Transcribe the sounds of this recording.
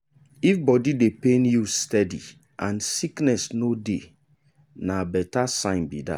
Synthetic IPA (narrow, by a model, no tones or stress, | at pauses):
ifbɔdidepenjustɛdi | ãnsiknɛsnode | nabɛtasãɪ̃nbḭda̰